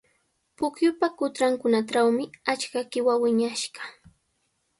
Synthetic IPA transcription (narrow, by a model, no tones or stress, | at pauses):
pʊkjʊpakʊt̪ɾaŋkʊnaʈ͡ʂawmɪat͡ʃkakɪwawɪɲaʃɢɑ̥